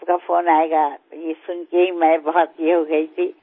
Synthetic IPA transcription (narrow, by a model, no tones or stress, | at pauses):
kapʰoːnaːeɡajesʊnkeɦimɛ̃bəɦɔt̪jeɦoɡəit̪ʰi